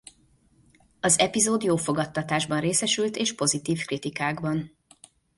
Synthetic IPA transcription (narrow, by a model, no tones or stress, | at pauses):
ɒzɛpizoːd̪joːfo̞ɡɒt̪ːɒt̪aːʒbɒnreːsɛʃylt̪eːʃpo̞zit̪iːfkrit̪ikaːɡbɒn